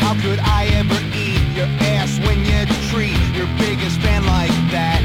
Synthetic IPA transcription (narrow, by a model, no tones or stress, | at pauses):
haʊkɨɾaɪɛvə˞ | itjə˞æswɨ̃njɨtʰɹ̥it͡ʃjə˞bɪɡɨstfæ̃nlaɪk̚ðæt̚